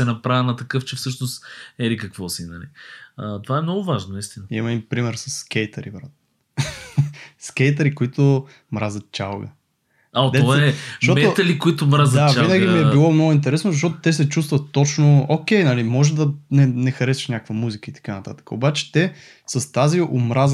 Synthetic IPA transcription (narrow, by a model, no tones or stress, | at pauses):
sɛnɐpɾavʲənɐt̪ɐkɤft͡ʃɛfsɤʃnost̪ɛlikɐkvɔsinɐlḭət̪ovaɛmnɔɡʊvaʒnonɐist̪inəimɐipɾimɛɾsɐsːkʲɛjt̪əɾḭbɾat̪ | skɛjt̪̬əɾikoit̪ʊ | mɾazət̪̚t͡ʃalˠɡə̰ | aotd̪ɛtovaɛʃomɛt̪oɐlikoit̪ʊmɾazɐd̪ainəɡʲimiɛbilˠɔmnoɡʊint̪̬ɛɾɛsnʊzɐʃot̪ʊ̥t̪ɛsɛt͡ʃust̪vɐt̪ːot͡ʃnʊokʲɛjnɐlimɔʒɛd̪ɐnɛnɛxɐɾɛsi̥ʃnʲakəkvəmuzikəit̪ɐ̥kanɐt̪at̪ə̥kəobat͡ʃɛ̥t̪ɛ | sɐst̪aziʔomɾaz